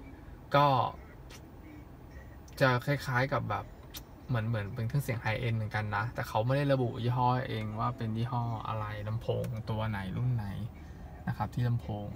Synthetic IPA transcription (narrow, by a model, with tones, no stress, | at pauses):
kɔː˥˩ | t͡ɕa˨˩kʰa˧˩jkʰaː˦˥jka˨˩p̚bɛː˨˩p̚ | mɯ˩˦ənmɯ˩˦npe˧nt̪ʰɯ˦˥ŋsi˨˩ə˦ŋʔa˧jʔe˧nmɯ˩˦nka˧nːa˦˥t̪ɛː˨˩kʰa˦˥wma˥˩da˥˩jɾa˧bu˨˩ʔjiː˥˩ɦɔː˥˩ʔeː˧ŋwaː˥˩pe˧njiː˥˩ɦɔː˥˩ʔa̰˧ɾa˧jna˧mpʰoː˧ŋ˦ŋt̪u˧ɐna˩˦jlu˥˩nːa˩˦j | na˦˥kʰa˦˥p̚t̪ʰiː˥˩na˧mpʰoː˧ŋ